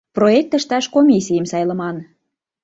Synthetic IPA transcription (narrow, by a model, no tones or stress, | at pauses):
proek̚t̪ə̆ʃt̪ɑʃkomʲisʲijəmsɑjlə̆mɑn